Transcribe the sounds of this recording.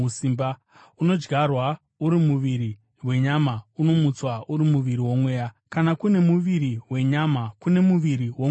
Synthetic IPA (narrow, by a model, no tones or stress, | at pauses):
usiːmba | uno̞d͡ʒɡʱarwa | uɾimuʋiɾi | we̞ɲamauno̞mut͡swauɾimuʋiɾiwo̞mwe̞ːja | kanakune̞muʋiɾiwe̞ɲamakune̞muʋiɾiwo